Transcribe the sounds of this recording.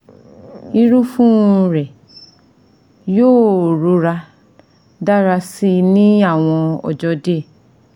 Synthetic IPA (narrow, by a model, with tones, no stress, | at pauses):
i˧ɾũ˦fũ˦˧ɾɛ˨ | joː˦˨ɾo˨˧˦ɾa˧ | da˦ɾa˧si˦nĩ˦a˦˨w̃ɔ̃˧ɔ̰˨d͡ʒɔ˧˦de˦˨